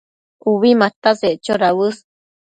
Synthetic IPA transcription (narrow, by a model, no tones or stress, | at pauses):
kuβimat̪aset͡ʃoɾawɨs